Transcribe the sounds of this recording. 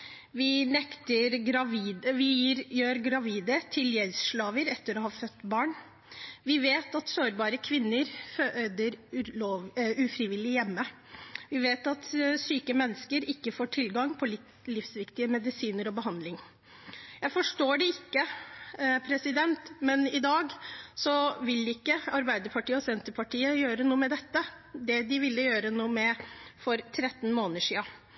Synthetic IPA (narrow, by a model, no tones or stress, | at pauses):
ʋɪnɛkt̪əɾɾɑʋiːd̪əʋɪɾjøːɾɡɾɑʋiːd̪ət̪ʰɪljɛlsʂɭɑːʋəɾɛt̪ːəɾɔhɑːfœt̪ːbɑːɳ | ʋɪʋeːt̪ɑt̪soːɾbɑːɾəkʰʋɪnːəɾfød̪əɾ | ʉfɾɪʋɪlɪjɛmːə | ʋɪʋeːt̪ɑt̪syːkəmɛnːəskəɾɪkːəfoːʈʰɪlɡɑŋpʰɔ | lɪfsʋɪkt̪ɪəmɛd̪ɪsiːnəɾɔbəɦɑnd̪lɪŋ | jæɪfɔʂʈoːɖɛɪkːə | pʰɾɛsɪd̪ɛnt̪mɛnɪd̪ɑːɡsɔʋɪlːɪkːəɑɾbæɪd̪əɾpʰɑʈʰiːɔsɛnt̪əpʰɑʈʰiːəjøːɾənuːəmɛd̪ɛt̪ːə | d̪ɛd̪ɪʋɪlːəjøːɾənuːmɛfɔɾt̪ʰɾɛt̪ːn̩moːnəʂiːɑ